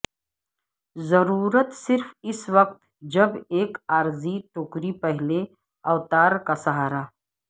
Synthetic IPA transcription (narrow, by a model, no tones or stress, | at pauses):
zɐɾuːɾət̪sɪɾfɪswɐq̚t̪ | d͡ʒɐbeːkaːɾziʈʊkɾipɐɦɪle | ɐʋt̪aːɾkasɐɦaːɾaː